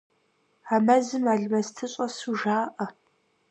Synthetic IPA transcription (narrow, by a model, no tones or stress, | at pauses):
amɐzɨmaːɮmɐstʰɨɕʼɐsuʒaːʔɐ